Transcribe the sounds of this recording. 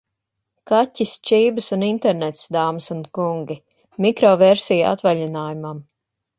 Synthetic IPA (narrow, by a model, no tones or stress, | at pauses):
katʲːist͡ʃiːbɨsunint̪ɛɾnɛt̪sd̪aːmsunkuŋɡʲi | mikɾɔvɛɾsija̰t̪vaʎinaːjumam